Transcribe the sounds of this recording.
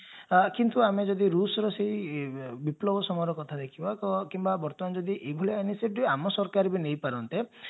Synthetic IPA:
kint̪uamed͡ʒɔd̪iɾusɔɾɔseɦibiplɔbɔsɔmɔɾɔkɔt̪ʰad̪ekʰibɔkɔkimbabɔɾt̪ɔmand͡ʒɔd̪iʔebʱuleaniseiamɔsɔɾkaɾibinejpaɾɔnt̪e

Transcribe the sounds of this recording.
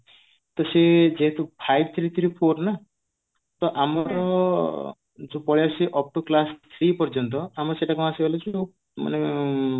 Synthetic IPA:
t̪ɔsed͡ʒeɦt̪upʰajb̚t̪ʰɾit̪ʰɾipʰoɾna | t̪ɔʔamɔɾɔ | d͡ʒopɔɭijasiʔɔp̚ʈuklast̪ʰɾipɔɾd͡ʒɔnt̪̬ɔamɾɔseʈakuasebelet͡ʃʰo | ma̰ne

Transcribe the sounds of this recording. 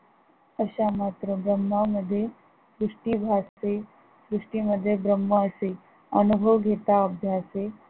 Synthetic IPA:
əɕamat̪ɾəbɾəmːaʋməd̪ʱːje | sɾuʂʈibʱase | sɾuʂʈiməd̪ʱːjebɾəmːəəse | ənubʱəʋɡʱet̪aəbʱjase

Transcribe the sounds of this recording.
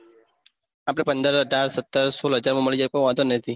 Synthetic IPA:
apɽepənd̪əɾɦəɖaɾsət̪ːəɾsolɦəd͡ʒaɾmãməɭid͡ʒakõʋãɦt̪onət̪ʰi

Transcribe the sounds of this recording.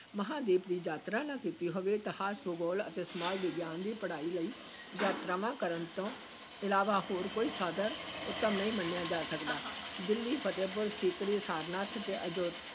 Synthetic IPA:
məɦãːd̪eːpd̪iːd͡ʒaːt̪ɾãːnãːkiːt̪iːɦoʋeːt̪əhaːsbʊɡoːlə̰t̪eːsəmaːlʋɪɡjaːnd̪iːpəɽaːiːləiː | d͡ʒaːt̪ɾaːʋãːkəɾənt̪õː | ɪlaːʋaːhoːɾkoːiːsəd̪əɾʊt̪ːəmnəĩːmənːejãːd͡ʒaːsəkd̪aːd̪ɪlːiːpʰət̪eːp̬ʊɾsiːk̪ɾiːsaːɾnaːt̪ʰt̪eːʔəd͡ʒoː

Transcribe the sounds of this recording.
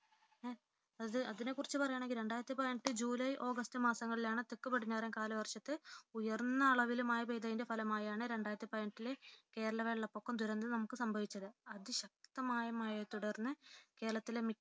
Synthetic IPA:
ɐðɨɐðine̞kːurit͡ɕːɨpɐrɐjaːɳe̞ŋɡilɾe̞ɳɖaːjɾɐt̪ːipɐjɳʈːɨd͡ʑuːlɐjʔo̞ːɡɐstɨmaːsɐŋːɐɭilaːɳɨt̪ekːupɐɽiɲːaːrɐnkaːlɐʋɐrʂɐt̪ːɨujɐrnːɐːɭɐʋilumaːjibejd̪ɐðinde̞fɐlɐmaːjaːɳɨɾe̞ɳɖaːjɾɐt̪ːipɐjɐɳʈːileke̞ːɾɐlɐʋe̞ːɭːɐpːokːɐmd̪ʱuɾɐnd̪ɨnɐmukːɨsɐmbʱɐʋit͡ɕːɐðɨɐðɨɕɐk̚t̪ɐmaːjɐmaːjɐt̪uɽɐrnːɨke̞ːɾɐɭɐt̪ːilemi

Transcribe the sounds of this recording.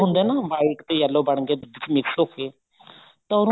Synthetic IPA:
ɦʊnd̪ɛːnaːbaːikt̪eːjəlːoːbəɳɡeːd̪ʊd̪ɪt͡ʃmɪksoːkʰːeː | t̪ooɾ

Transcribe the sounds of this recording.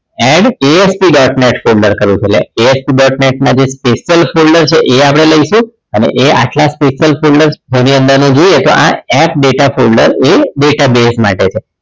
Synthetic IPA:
ɛ̃ɖeespiɖɔʈneʈfʰolɖəɾkəɾʋũt͡ʃʰelḛeespiɖɔʈneʈ̚nad͡ʒespeʃjəlfolɖəɾt͡ʃʰeʔeap̬ɽ̃eləiʃũ | ənḛʔea̰ʈlaspeʃjəlfolɖəɾd͡ʒeniə̃nd̪əɾnũd͡ʒojet̪o̰ʔa̰ɛpɖeʈafolɖə̰ɾeɖeʈabesma̰ʈet͡ʃʰe

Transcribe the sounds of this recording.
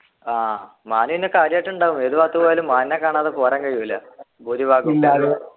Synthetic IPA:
aː | maːnuʋinːekːaːɾjaːʈːuɳɖaːɣumeðuʋaːt̪ːupojlumːaːnnːɐkːaːɳaːðɨpoːraːŋkɐɻijuilːɐbuɾibaːɡulːa

